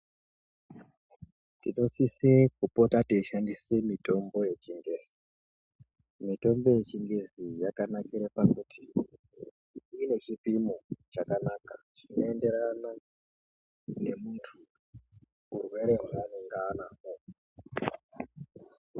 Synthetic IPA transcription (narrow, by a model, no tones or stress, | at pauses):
tḭno̞sisekupo̞tateiʃandisemito̞mbo̞je̞t͡ʃiŋɡeːzi | mito̞mbo̞je̞t͡ʃiŋɡezijakanakiɾepakutʰi | ine̞t͡ʃipimot͡ʃakanaka | ʐ̥ino̞e̞nde̞ɾana | ne̞muntʰu | urwe̞ɾe̞ɦaaneŋɡaːnaːko